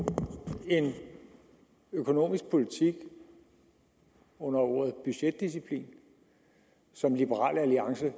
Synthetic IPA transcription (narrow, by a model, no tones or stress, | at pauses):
e̝n | økʰo̝no̝̰ːmisɡ̥̚pʰo̝lit͡sʰiɡ̥ | ɔ̽nɐɔ̝̰ːɐð̩ˠb̥yɕed̥̚ːis̬ipʰlḭːn | sɒ̽mlib̥əʁɑ̰̈ːlæliɑ̈ŋsə